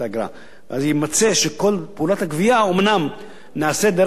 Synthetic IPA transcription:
aɡɾa̰m | v̰ʔazjimat͡seʃeko̞lpeulat̪hakviaomnam | naːsed̪eɾ

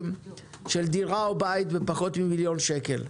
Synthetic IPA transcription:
m | ʃeld̪iɾʁaobajt̪bepaχo̞t̪mimiljo̞nʃeke̞̰l

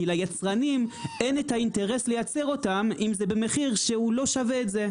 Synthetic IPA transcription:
ilajat͡sʁanime̞netainteʁe̞slejat͡se̞ʁo̞tamimzebeme̞χiʁʃeulo̞ʃave̞ːtze̞

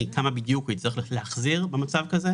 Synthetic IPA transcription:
kamabid̪jukujit͡sliχlileaχziʁbemat͡savkaze

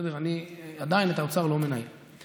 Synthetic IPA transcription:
ed̪eʁaniad̪ainet̪aot͡saʁlomenaj

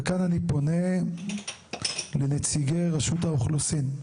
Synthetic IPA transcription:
kananipo̞ne̞ | lenet͡siɡejʁaʃut̪aoχlosin

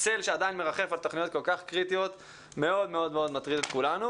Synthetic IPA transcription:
selʃead̪ajinme̞ʁaχe̞falt̪oχnijo̞t̪̚ko̞lkaχkʁit̪ijo̞t̪ | me̞o̞d̪me̞o̞d̪meo̞d̪mat̪ʁid̪ot̪kulanu

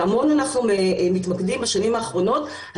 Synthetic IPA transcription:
amonanaχnuemitmakdimbaʃanimaːχʁo̞no̞t | h

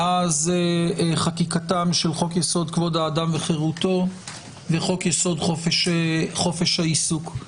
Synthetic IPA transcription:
ʔazeeχatikatamʃelχo̞kjeso̞d̪kvo̞d̪haːdamveχeʁut̪o̞ | veχo̞kjeso̞d̪χofeʃχo̞fe̞ʃhaisuk

